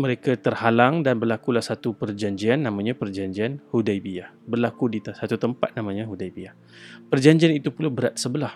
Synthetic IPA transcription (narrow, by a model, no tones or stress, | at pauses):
məɾekat̪ərhalaŋdanbərlakulahsat̪upərd͡ʒaɲd͡ʒianːãmãɲapərd͡ʒaɲd͡ʒianhudajbiahbərlakudit̪sat̪ut̪əmpat̪̚namãɲaɦudajbiah | pərd͡ʒaɲd͡ʒianit̪upulabəɾat̪̚səbəlah